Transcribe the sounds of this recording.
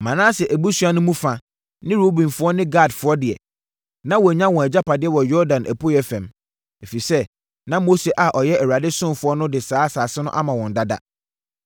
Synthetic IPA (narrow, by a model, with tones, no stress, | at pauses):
mã˨nãː˦sɛ˨ʔæ˨bu˦sɥa˦nʊ̃˦mũ˦fã˨ | nɪ̃˦ɾo˦bĩ˨mfʊ˦ɔ˦nɪ̃˦ɡa˦˨dfʊ˨˦ɔ˦dɪ˨ɛ̰˨ | nã˦wɔ˨æ˨ɲã˦wɔ̃˨æ˨d͡ʑa˦pa˨dɪ˦ɛ˦wɔ˨jɔ˦ɾdã˨nʔæ̰˨pʰo˦jɛ˦fɛ̃˨m | e˨fi˨sɛ˦ | nã˦mo˦se˨ʔa˨ʔɔ˨jɛ˦æ˨wu˨a˨dɪ˦sʊ̃˦mfʊ˦ɔ˦nʊ̃˦dɪ˨saː˦saː˨sɪ˦nʊ̃˦ʔa˦mã˨wɔ̃˨n˨da˦da̰˦